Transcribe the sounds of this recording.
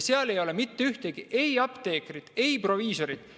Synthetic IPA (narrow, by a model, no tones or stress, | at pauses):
seɑle̞jo̞lemit̪ːeyht̪eɡ̥iʔe̞jɑpt̪e̞ːkrid̪̥e̞jpro̞viːso̞ɾid̪̥